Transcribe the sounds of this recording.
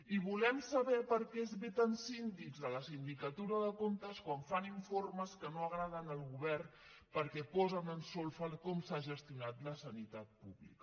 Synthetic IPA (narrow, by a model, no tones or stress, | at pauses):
iβulɛmsəβɛpəɾkɛezβet̪ənsind̪iɡzðələsind̪ikət̪uɾəðəkont̪əskwaɱfaniɱforməskənoəɣɾaðənəlˠɣuβɛr | pəɾkɛpɔzənənsɔlˠfəkɔmsaʒəst̪iunat̪ləsənit̪at̪̚puβlḭkə